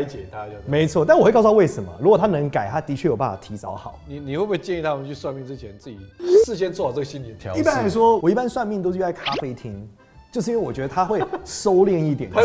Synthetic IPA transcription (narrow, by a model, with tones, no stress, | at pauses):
t͡ɕjɛ˨˩t̪ʰa˦˧˨me˧˥ɪt͡sʰwɔ˥˧a˥˧˨wxwk̪ːʰwe˥˩ʂə˧˦nmə̰˨˦ɻu˧˥kɔ˨˩t̪ʰa˥nɤ˧˥ŋka˨˩ɪt̪ʰa˦˥t̪i˧˥t͡ɕʰɥɛ˥˩jo˨˩pa˥˩fa˨˩t̪ʰi˧˥t͡sɑ̰˧˥˦ʊxɑ˨˩˦ni˨˩ni˨˩xwe˥˧pwɪt͡ɕjɛ˥˧i˥˩t̪ʰa˥mə˨nt͡ɕʰy˥˧swa˥˧nmi˥˩nʈ͡ʂɻ̩˥t͡ɕʰjɛ˧˦nt͡sɹ̩˥˩t͡ɕi˨˩ʂɻ̩˥˧ɕ̬jɛ˥nt͡sʰwɔ˥˩˨t͡sə˥˩ɡə˨ɕi˦nli˨˩t̪ʰɑ̰˨˦i˥pa˥a˧˥ɪʂwɔ˥wɔ˨˩i˥pa˦nswa˥˧nmi˥˩nt̪o˥ʊʂ̬̩˥˧˥kʰa˥fe˥ɪt̪ʰi˥ŋ | t͡ɕjo˥˧ʊʂ̬̩˥˧ĩ˥wwɔ˨t͡ɕɥɛ˧˦d̪ə˧t̪ʰa˥xwe˥˩ɪso˥ʊljɛ˥˧ni˥˩t̪jɛ˨˩n